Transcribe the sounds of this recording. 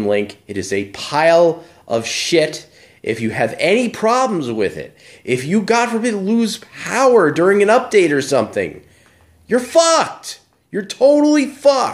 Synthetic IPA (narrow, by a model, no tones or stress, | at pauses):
lɪ̃ŋkɨɾɨzɨpʰaɪlˠ | ʔʌ̰v̥ʃɪɾ | ʔɪ̰fjɨɨvɛñipʰɹ̥ɑblm̩zwɪðɪ̰ɾ | ʔɪfjɨɡɑtfʌ̃mɨluz̥pʰaʊə˞dʊɹɪ̃ŋɨ̃nʌp̚d̥eɪɾə˞sʌ̃mθɪ̰̃ŋ | jə˞fɑk̚t | jə˞tʰoʊɾl̩ˠifɑ